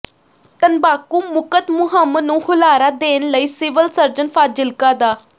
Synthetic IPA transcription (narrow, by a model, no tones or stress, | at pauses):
t̪ənbaːkuːmʊkət̪mʊɦəmnũːhʊlaːɾaːd̪eːnləiːsɪʋəlsəɾd͡ʒənpʰaːd͡ʒɪlkaːd̪aː